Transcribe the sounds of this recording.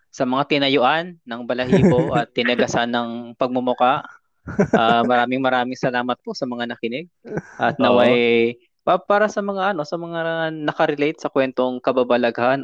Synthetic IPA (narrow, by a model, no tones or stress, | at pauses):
sɐmɐŋat̪ɪnɐjʊʔanːɐŋbɐlɐɦiːpoʔɐt̪ːɪnɐɡɐsanɐŋpɐɡ̚mʊmʊkaʔ | ʔamɐɾaːmɪŋmɐɾaːmɪŋsɐlaːmɐt̪̚po̞sɐmɐŋanɐkɪnɪɡ̚ʔɐt̪̚nɐwaj | papaːɾɐsɐmɐŋaʔɐno̞sɐmɐŋanɐkɐɾɪlejt̪̚sɐkwɛnt̪o̞ŋkɐbabɐlɐɡhan